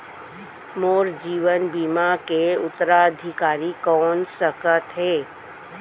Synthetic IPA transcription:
moːɾd͡ʒiːʋənbiːmakeʊt̪ːəɾaəd̪ʱɪkaːɾikɔːnsəkət̪ɦɛː

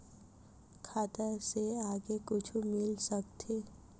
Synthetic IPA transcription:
kʰaːt̪əseaːɡekʊt͡ʃʰumɪlsək̚t̪ʰeː

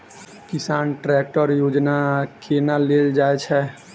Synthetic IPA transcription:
kɪsaːnʈɾɛːk̚ʈəɾjoːd͡ʒnakʰeːnaleːld͡ʒaːet͡ʃʰɛ

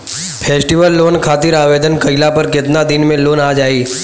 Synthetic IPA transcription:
pʰeːsʈiʋəlːoːnkʰaːt̪ɪɾaːʋed̪ənkəilapəɾket̪nad̪inmẽloːnad͡ʒaːiː

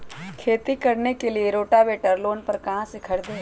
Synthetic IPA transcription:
kʰeːt̪ikɐɾnekelieɾoːʈaʋeːʈəɾloːnpɐɾkɐɦãsɪkʰəɽd̪eː

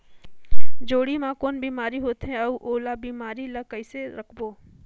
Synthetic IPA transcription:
d͡ʒoːɽimãkoːnbiːmaːɾiɦoːt̪ɦɛ̃ɐʋʔoːlabiːmaːɾilɐkɐɪseɾɐkʰboː

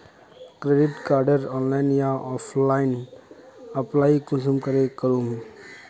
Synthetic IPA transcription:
kɾeːɖɪʈkaːɾɖəɾɔːnlaːɪnjãɔːpʰlaːɪn | ɐplaːikʊsəmkəɾekəɾuːm

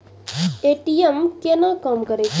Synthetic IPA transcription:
eʈijemkenakəmkəɾet͡ʃʰ

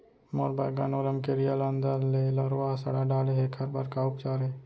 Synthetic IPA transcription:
moːɾbaːjɡanoːləmkeɾijaland̪aːlelɔːɾʋaɦasɐɽaɖaːleɦekʰɐɾbaɾkaʊkt͡ʃaːɾe

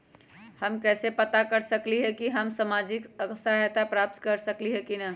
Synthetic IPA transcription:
həmkɛːsepɐt̪akɐɾsəkliɦɛkiɦəmsamaːd͡ʒɪkəksaet̪apɾaːp̚t̪kəɾsəkliɦɛkinɐ

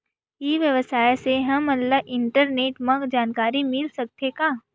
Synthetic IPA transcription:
iʋjɐʋəsaːjseɦɐmɐlːaʔɪ̃ɳʈəɾneːʈmɐ̃ɡd͡ʒaːnkaːɾimɪlsɐk̚t̪ekaː

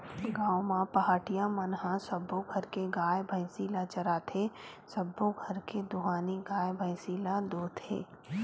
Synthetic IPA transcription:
ɡãːomãpɐɦaːʈijãmɐnɦãsɐbːõɡʱəɾkeɡaːjbʱə̃ɪsiːlat͡ʃɐɾaːt̪ʰe | səbːõɡʱɐɾked̪ʊɦaːniɡaːjbʱə̃ɪ̃siːlad̪oːt̪ʰḛː

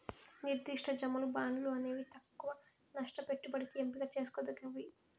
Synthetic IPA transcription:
niɾd̪iʂʈʰɐd͡ʒɐmɐlubaːɳɖuluɐne̞ːʋit̪ɐkːuʋɐ | nɐʂʈɐpe̞ʈːubɐɽit̪iempiɡaːt͡ʃe̞ːsu̥kod̪ɐkɐʋi

